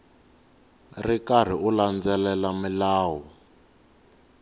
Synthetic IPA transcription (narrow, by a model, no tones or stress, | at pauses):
rikar̤iuland͡zɛlɛlamilaːwɔ